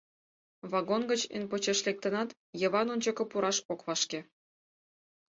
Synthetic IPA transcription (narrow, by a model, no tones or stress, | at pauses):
βɑɡonɡə̆t͡ɕḛnpot͡ɕeʃlʲek̚t̪ə̆nɑt̪ | jɤ̆βɑnonʲt͡ɕɤ̆kɤ̆puɾɑʃokβɑʃke